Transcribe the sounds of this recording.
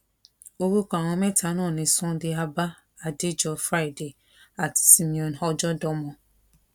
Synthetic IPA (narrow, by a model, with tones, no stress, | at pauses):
o˦ɾu˦kʷa˨ŋɔ̃˧me˦ta˨˦nɔ̃˦˨nɪ̃˨sɔ̃˦dɪ˦a˦ba˦ | a˨dɪ˦d͡ʒɔ˨fɾa˦i˨de˨ | a˨tsi˦mi˨ɔ˨n˨ɔ˦d͡ʒɔ˦dɔ˦mɔ̃˦